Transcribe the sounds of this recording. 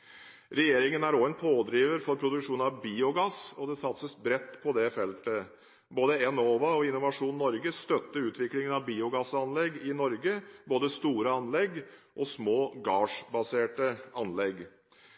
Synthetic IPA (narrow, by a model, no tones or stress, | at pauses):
ɾɛjeːɾɪŋənæɾoɛnpʰoːd̪ɾiːʋəɾfɔɾpʰɾʊd̪ʉkʂuːnnɑʋbiːʊɡɑsɔd̪ɛsɑt̪səsbɾɛt̪ːpʰɔd̪ɛfɛlt̪ə | boːd̪əɛnoːʋɑɔɪnʊʋɑʂuːnnːɔɾɡəst̪œt̪ːəʉːt̪ʋɪklɪŋənɑʋbiːʊɡɑsɑnlɛɡɪnɔɾɡəboːd̪əst̪uːɾəɑnlɛɡʔɔsmoːɡɑːʂbɑseːʈəɑnlɛɡ